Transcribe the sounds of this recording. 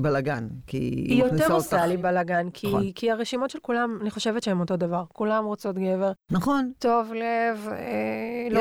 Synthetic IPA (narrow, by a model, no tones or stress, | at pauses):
balaɡankḭijoteʁsalibalaɡankʰikiaʁeʃimo̞tʃelkulamaniχoʃe̞vetʃehemo̞to̞davaʁkulamʁot͡so̞tɡe̞ve̞ʁnaχonto̞vlevel